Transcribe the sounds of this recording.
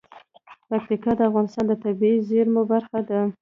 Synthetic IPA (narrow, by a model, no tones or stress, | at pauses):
pak̚t̪ikɑd̪əafɣɑnɪst̪ɑnd̪ət̪abiizɪɾmobaɾxad̪a